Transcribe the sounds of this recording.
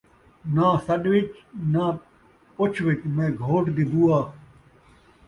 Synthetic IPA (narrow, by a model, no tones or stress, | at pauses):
nãːsɐɗʋɪt͡ʃnãː | pʊt͡ʃʰʋit͡ʃmẽːɡʱoːʈd̪ibuːaː